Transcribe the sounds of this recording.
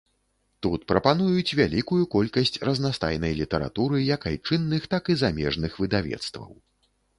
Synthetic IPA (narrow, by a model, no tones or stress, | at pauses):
t̪ut̪̚pɾɐpanujut͡sʲvʲalʲikujukɔlʲkɐsʲt͡sʲrɐznast̪a̰jnɐjlʲit̪ɛɾa̰t̪uɾɨjɐkajt͡ʂɨnːɨxt̪akizamʲɛʐnɨxvɨd̪avʲɛ̰t̪st̪vɐ̰w